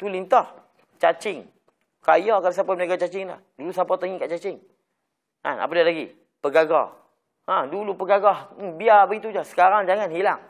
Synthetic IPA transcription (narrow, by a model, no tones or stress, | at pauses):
t̪ulint̪ɔh | t͡ʃat͡ʃɪŋ | kajɔkalasapamənaɡat͡ʃat͡ʃɪŋla̰hdulusapɔt̪əŋikaʔt͡ʃat͡ʃɪŋ | na̰na̰padalaɡḭ | pəɡaɡɔ̰ | adulupəɡaɡɔh̩biabəɡit̪ud͡ʒasə̥kaɾaŋd͡ʒaŋanɦilaŋ